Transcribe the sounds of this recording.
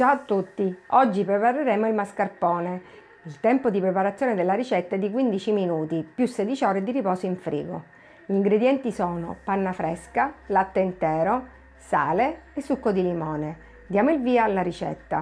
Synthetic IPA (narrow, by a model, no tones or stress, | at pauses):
t͡ʃaoat̪ːut̪ːiɔd͡ʒːipɾepaɾeɾeːmoilmaskarpɔːne | ilt̪ɛmpod̪ipɾepaɾat̪sːjoːned̪elːaɾit͡ʃɛt̪ːaɛd̪ːik̬wind̪it͡ʃiminuːt̪ipjusːɛd̪it͡ʃiɔːɾed̪iɾipɔːsoiɱfɾḭːɡo̰ | iŋɡɾed̪jɛnt̪isɔːno̰panːafɾɛskalat̪ːeint̪ɛːɾo | sa̰ːleesːukːod̪ilimɔːne | d̪jaːmoilviːaalːaɾit͡ʃɛ̰t̪ːa